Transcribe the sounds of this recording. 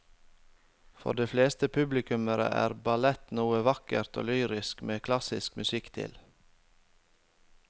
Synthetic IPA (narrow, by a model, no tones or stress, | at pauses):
fɔ̰ɖeːfleːst̪əpʰʉblɪkʉməɾə̰ʔæ̰ːɾbɑlɛt̪nuːəʋɑkəɾt̪ʰo̰ːlyːɾɪskmeːkʰlɑsɪskmʉsɪkt̪ʰɪ̰l